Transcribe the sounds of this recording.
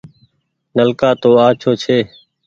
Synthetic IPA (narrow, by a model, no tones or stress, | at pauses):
nəlkaːt̪oːaːt͡ʃʰoːt͡ʃʰeː